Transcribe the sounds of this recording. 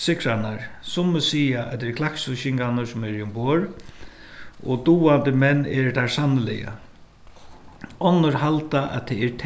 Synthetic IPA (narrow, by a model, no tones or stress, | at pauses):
sɪkɾanaɹsʊməsiːaʔɛt̪ːɛɾkʰlaksʊʃɪŋkanəsʊmɛɾiʊmbɔːɹ | ɔ̰t̪uːant̪əmɛnːɛɹt̪ʰasanːɪlɪ̰ja̰ | ɔnːəɹɦalt̪aʔɛ̰t̪ʰɛɛɾt̪ʰ